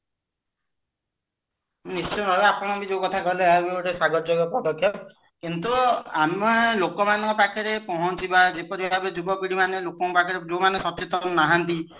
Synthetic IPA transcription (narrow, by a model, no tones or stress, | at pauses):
nist͡ʃɔjɾɔbeapʰɔɽ̃ɔabid͡ʒekɔt̪ʰakɔɦleabiʈesaɡɔɾd͡ʒɔɡɔpɾɔdɔkʰːjɔp | kint̪uamalokɔmanŋkɔpakʰeɾepɔɦɔnt͡ʃʰibad͡ʒepɔɾibaabed͡ʒubɔpiɽimanelokɔŋkpakʰɔɾed͡ʒomanesɔt͡ʃet̪ɔnnaɦant̪i